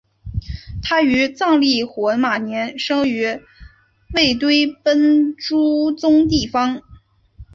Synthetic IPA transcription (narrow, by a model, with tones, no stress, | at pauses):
t̪ʰa˥y˧˥t͡sɑ˥˧ŋli˥˩xwɔ˧˥ma˨˩njɛ˧˥nʂɤ˥ŋy˧˥ | we˥˩ɪt̪we˥ɪpə˥nʈ͡ʂu˥t͡sʊ˥ŋt̪̬i˥˩fɑ˥ŋ